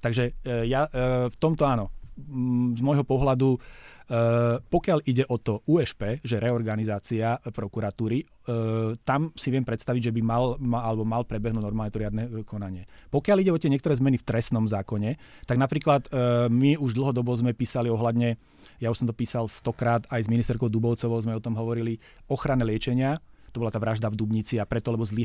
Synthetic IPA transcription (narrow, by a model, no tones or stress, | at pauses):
t̪aɡʒɛjaft̪ɔmt̪ɔaːnɔ | zmɔjɦɔpɔɦlad̪u | pɔkɪaliɟɛʔɔt̪ɔʔuːɛʃpɛːʒɛɾɛɔɾɡanizaːt͡siapɾɔkuɾat̪uːɾi | t̪amsiʋɪɛmpɾɛt̪st̪aʋiɟʒɛbimalmalɛbɔmalpɾɛbɛɦnuːɟ̪nɔɾmaːlɲɛt̪ɔɾɪad̪nɛkɔnaɲɪɛpɔkjaliɟɛɔt̪ɪɛɲɛkt̪ɔɾɛːzmɛnift̪ɾɛst̪nɔmzaːkɔɲɛ | t̪aɡnapɾiːklat̪miuʒd̪l̩ˠɦɔd̪ɔbɔzmɛpiːsaliɔɦlad̪ɲɛ | jauʃsɔmt̪ɔpiːsalst̪ɔkɾaːt̪ajzminist̪ɛɾkɔʊd̪ubɔʊt͡sɔʋɔʊzmɛɔt̪ɔmɦɔʋɔɾili | ɔxɾanɛlɪɛt͡ʃɛɲɪat̪ɔbɔlat̪aːʋɾaʒd̪avd̪ubɲit͡siapɾɛt̪ɔlɛbɔzli